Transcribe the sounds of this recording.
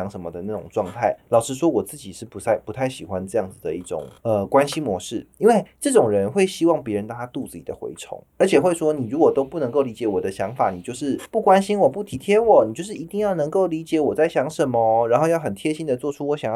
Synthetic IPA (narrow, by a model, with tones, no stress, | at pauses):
ɑ˧˥ŋʂə˧˥nmə˧d̪ə˨na˥˩ʈ͡ʂʊ̰˨˩ŋʈ͡ʂwɑ˥˧ŋt̪ʰa˥˩ɪlɑ˨˩ʊʂɻ̩˧˥ʂwɔ˥wɔ˨˩t͡sɹ̩˥˩t͡ɕi˨˩ʂɻ̩˥˩pu˧˥t͡sa˥˩ɪpu˧˥t̪ʰa˥˩ɪɕi˨˩xwa˦nʈ͡ʂɤ˥˧jɑ˥˩ŋd͡z̩˨˩d̪ə˩i˥˩ʈ͡ʂʊ̰˨˩ŋə˧kwa˦˥nɕi˥mwɔ˧˥ʂɻ̩˥˩i˥nwe˥˩ɪʈ͡ʂɤ˥˩ʈ͡ʂʊ˨˩ŋɻə˧˦nxwe˥˩ɪɕi˥wɑ˥˩ŋpjɛ˧˥ɻə˧˦nt̪ɑ˥ŋt̪ʰa˥t̪u˥˧t͡sɹ̩˥˩t͡ɕi˨˩d̪ə˩xwḛ˧˥ɪʈ͡ʂʰʊ̰˧˥ŋə˞˧˥t͡ɕʰjɛ˨˩xwe˥˩ɪʂwɔ˥ni˨˩ɻu˧˥kwɔ˨˩t̪o˥ʊpu˥˩nə˧˥ŋko˥˩ʊli˧˥t͡ɕjɛ˧˥wɔ˨˩d̪ə˦ɕjɑ˧˥ŋfa˨˩˦ni˨˩t͡ɕjo˥˧ʊʂɻ̩˥˩pu˥˩kwa˥nɕi˥nwɔ˨˩pu˥˩t̪ʰi˧˥t̪ʰjɛ˥wɔ˨˩ni˨t͡ɕjʊʂɻ̩˥˩˨i˧˥t̪i˥˧ŋjɑ˥˩ʊnɤ˧˥ŋko˥˩ʊli˧˥t͡ɕjɛ˧˥wɔ˨˩t͡sa˥˩ɪɕjɑ˧˥ŋʂə˧˦nmə˧ɻa˧nxo˥˧jɑ˥˩ʊxə˨˩nt̪ʰjɛ˥ɕi˥nd̪ə˨t͡swɔ˥˩ʈ͡ʂʰu˥wɔ˧˥ɕjɑ˨˩ŋ˥